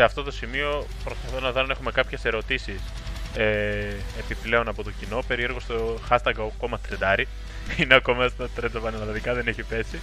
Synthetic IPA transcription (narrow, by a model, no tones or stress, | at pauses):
eɐft̪o̞t̪o̞simio̞pɾo̞spɐθo̞nɐðo̞nɐe̞xume̞kɐpçe̞se̞ɾo̞t̪isis | e | epiple̞o̞nɐpo̞t̪ocino̞pe̞ɾie̞ɾɣo̞st̪oxɐst̪ɐɡoko̞mɐt̪ɾed̪ɐɾi | ineɐko̞mst̪ɐt̪ɾed͡zɐpɐnɐlɐlɐðikɐðe̞neçipe̞si